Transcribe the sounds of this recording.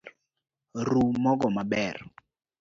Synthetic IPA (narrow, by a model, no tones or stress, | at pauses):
ɾumɔɡɔmabɛr